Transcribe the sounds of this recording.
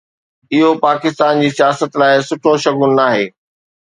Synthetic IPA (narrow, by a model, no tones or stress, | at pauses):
ɪɦopaːkɪst̪aːnd͡ʑiːsijaːsət̪laːɪsʊʈʰoʃɐɡʊnnaːɦeː